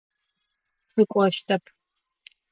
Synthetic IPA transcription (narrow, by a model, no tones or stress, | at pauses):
sɨkʷʼɔʃtʰɐpʰ